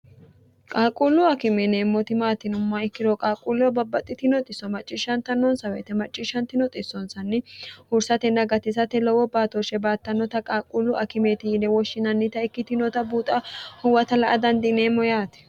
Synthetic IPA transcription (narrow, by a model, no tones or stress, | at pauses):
kʼaːkʼulːʊɐkɪmeneːmːɔt̪ɪmaːt̪ɪnʊmːɐɪkːɪɾɔkʼaːkʼulːɔbɐbːɐt̪ʼːɪt̪ɪnɔt̪ʼɪsːɔmɐt͡ʃʼːɪʃɐnt̪ɐnːɔnsɐwḛːt̪ɛmɐt͡ʃʼːɪʃɐnt̪ɪnɔt̪ʼɪsːɔnsɐnːɪhʊɾsɐt̪ɛnɐɡɐt̪ɪsɐt̪ːɛlɔwɔbaːt̪ɔʃɛbaːt̪ːɐnːɔt̪ɐkʼaːkʼːulːʊʔɐkɪmeːt̪ɪnɛwɔʃːɪnɐnːɪt̪ɐɪkːɪt̪ɪnɔt̪ɐbuːt̪ʼɐhʊwɐt̪ɐlɐʔɐd̪ɐnd̪ɪneːmːɔjaːt̪ɛ̥